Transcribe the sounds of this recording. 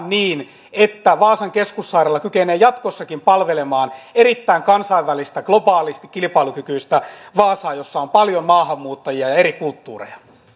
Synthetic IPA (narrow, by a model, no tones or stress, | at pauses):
nniːn | et̪ːæʋɑːsɑŋkeskusːɑirelːɑkykeneːjɑt̪kosːɑkimpɑlʋelemɑːneɾit̪ːæiŋkɑnsɑiʋːælist̪æɡ̥lobɑːlist̪i̥kkilipɑilukykyist̪æʋɑːsɑːjosːɑompɑljommɑːhɑmːuːt̪ːɑjiɑjɑeɾikult̪ːṵːrḛjɑ̥